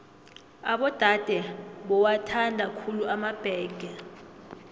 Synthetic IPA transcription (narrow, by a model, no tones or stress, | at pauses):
aɓɔd̥ʱad̥ʱɛɓɔwatʰandʱakʰuluʔamab̥ʱɛːɡ̥ʱɛ